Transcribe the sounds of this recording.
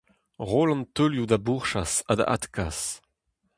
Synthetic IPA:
ʁolɑ̃nt̪øljud̪abuʁʃasad̪a̰ʔa̰t̪kʰas

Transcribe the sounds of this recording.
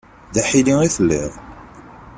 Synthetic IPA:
ðaħiliiθəlːiʁ

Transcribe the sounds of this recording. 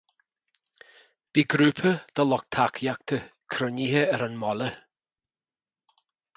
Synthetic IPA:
b̥iɡɾʉpʰəd̪̥əlɔk̚t̪ʰakʰjak̚t̪ʰəkʰɾənihəəɾanmɔlə

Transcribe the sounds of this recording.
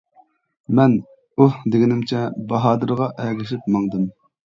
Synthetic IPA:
mɛn | uhd̪eɡʲinɪmt͡ʃʰɛbɑɦɑːd̪ɨɾʁɑʔɛɡʲɪʃɪp̚mɑŋd̪ɨm

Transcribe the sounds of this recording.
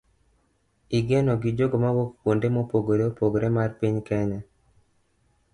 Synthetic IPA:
iɡenoɡid͡ʒoɡomawokpwondemopoɡoɾeopoɡoɾemarpiɲkɛɲa

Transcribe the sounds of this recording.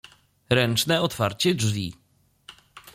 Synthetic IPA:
ɾɛnt͡ʂnɛɔt̪faɾt͡ɕɛd͡ʐvʲḭ

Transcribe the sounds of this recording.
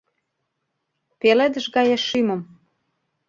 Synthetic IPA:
peled̪ə̆ʃɡɑjeʃːymə̆m

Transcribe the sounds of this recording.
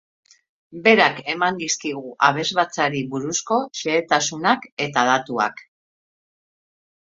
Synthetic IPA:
be̞ɾake̞mand̪iskiɣuʔaβ̞e̞zβat͡saɾiβuɾusko̞ʃeːt̪asunake̞t̪að̞at̪ua̰k

